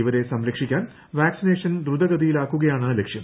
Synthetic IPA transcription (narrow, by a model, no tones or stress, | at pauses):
iʋɐɾe̞sɐmɾɐkʂikʲːaːn | ʋaːksine̞ːʂɐnd̪ɾud̪ɐɣɐd̪ijilaːkːuɣɐjaːɳɨlekʂjɐm